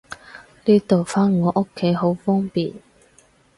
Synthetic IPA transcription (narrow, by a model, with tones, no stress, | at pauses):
niː˥t̪o˨wfaː˥nŋɔː˨˧ʔʊ˥kʰːe˨˥jɦo˨˥wfɔː˥ŋpiː˨˩n